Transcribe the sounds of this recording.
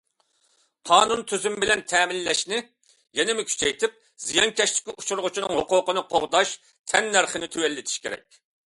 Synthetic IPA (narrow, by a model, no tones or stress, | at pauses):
qʰɑːnunt̪ʰyzymbɪlɛnt̪ʰɛːmɪlːɛʃnɪ | jɛnɪmɪkʲʰy̥t͡ʃʰɛjt̪ʰɪp̚ | z̥ijɑŋkʲɛʃt̪ɪ̥kʲiu̥t͡ʃʰuɾʁʊt͡ʃʰinɨŋhoqʊːqənɨqʰoʁd̪ɑʃ | t̪ʰɛnːæɾχənɪt̪ʰywɛlːɪt̪ʰi̥ʃkʲʰḛɾɛ̰k̚ʲ